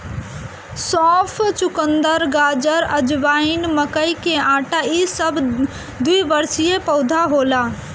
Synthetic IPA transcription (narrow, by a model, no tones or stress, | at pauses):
sɔ̃ːpʰt͡ʃʊkənd̪əɾɡaːd͡ʒəɾəd͡ʒʋaːɪnməkəikẽãːʈaisəb | d̪uibəɾsijepəʊd̪ʱaɦola